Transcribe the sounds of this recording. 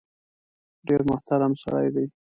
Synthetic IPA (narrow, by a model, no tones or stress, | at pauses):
ɖeɾmʊht̪aɾamsa̰ɽa̰jd̪aj